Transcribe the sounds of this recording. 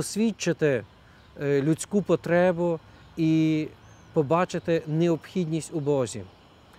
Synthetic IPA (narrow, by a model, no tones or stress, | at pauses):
ɔsʲʋʲit͡ʃːɪt̪ɪ | lʲutʲt͡sʲkupɔt̪ɾɛbʊ | i | pɔbɑt͡ʃɪt̪ɪnɛɔpxʲidʲnʲisʲtʲʊbɔzʲḭ